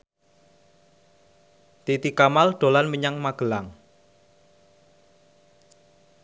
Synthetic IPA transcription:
t̪it̪ikamalɖ̪̥o̤lanməɲaŋmaɡ̥ə̤laŋ

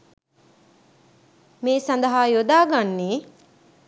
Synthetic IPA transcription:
meːsand̪ɐɦaːjod̪aːɡanːeː

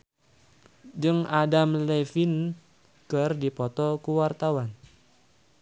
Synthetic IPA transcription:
d͡ʒɨŋadamlɛfin | kɨrdipɔt̪ɔkuwart̪awan

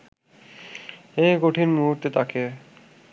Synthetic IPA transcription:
ejɡoʈʰinmuɦuɾt̪et̪ake

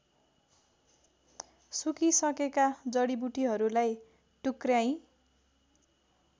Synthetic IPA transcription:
sukisʌkekad͡zʌɽibuʈiɦʌɾulaj | ʈukrjaj̃

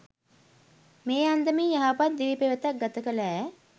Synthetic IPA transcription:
meːand̪əmiːjɐɦaːpat̪̚d̪iʋipeʋət̪ak̚ɡɐt̪əkəlæː

